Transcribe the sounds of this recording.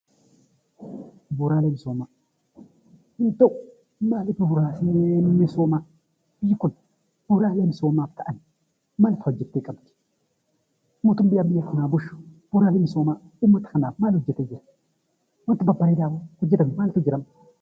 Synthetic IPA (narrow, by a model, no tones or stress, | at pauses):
buɾalemisoma | intow | malipubuɾalemisoma | b̥iku | b̥uɾalemisomataʔan | maltad͡ʒitːekʼamti̥ | mot̪umbijambijakanabuʃb̥uɾalemisoma | umːat̪xanamalud͡ʒeted͡ʒe | wantibabaɾidabakud͡ʒidanmaltud͡ʒiɾam